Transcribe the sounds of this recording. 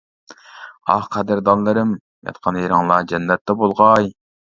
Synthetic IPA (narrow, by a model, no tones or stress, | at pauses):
ɑ̰hqʰæd̪ɪɾd̪ɑnlˠɨɾɨm | jɑ̰t̪qʰɑnheɾɨŋlˠɑd͡ʒɛnːɛt̪ːɛbolˠʁɑj